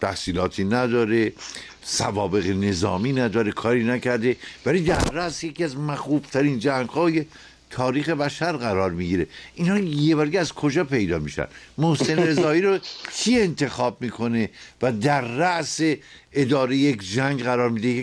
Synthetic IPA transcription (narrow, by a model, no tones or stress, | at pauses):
t̪ʰæhsiːlɒːt̪ʰiːnæd̪ɒːɾe̞ | sævɒːbe̞ɣene̞zɒ̰ːmiːnæd̪ɒːɾe̞kʰɒːɾiːnæcʰæɾd̪e̞væliːd̪æɾːæʔsjeciæzmæxuːb̥t̪ʰæɾind͡ʒæŋɡhɒːje̞ | t̪ʰɒːɾiːxe̞bæʃæɾɣæɾɒːɾmiɟiːɾe̞inhɒːjebæɾɡeæzkʰod͡ʒɒːpʰe̞jd̪ɒːmiːʃæ̰nmohsenɾe̞zɒːiːɾokʰiːe̞nt̪ʰe̞xɒːb̚miːkʰo̞ne̞væd̪æɾːæʔse̞ | ed̪ɒːɾejejekd͡ʒæŋɡɣæɾɒːɾmiːd̪e